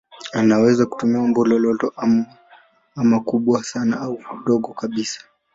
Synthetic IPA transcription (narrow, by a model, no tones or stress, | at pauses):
anawɛzaku̥tumiwambulɔlɔtɔʔam | amakuɓwasanaaukuɗɔɠɔkaɓisḁ